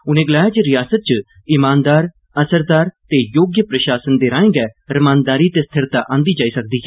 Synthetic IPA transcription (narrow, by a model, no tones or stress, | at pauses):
ʊnẽɡəlaːjaːt͡ʃəɾɪjaːsət̪̚t͡ʃ | ɪmaːnd̪aːɾ | ɐsəɾd̪aːɾt̪eːjoːɡjəpɾəʃaːsənd̪eːɾãːẽːɡɛːɾəmãːnd̪aːɾiːt̪eːst̪ʰɪɾt̪aːʔãːnd̪iːd͡ʒaːiːsɐk̚d̪iːɦː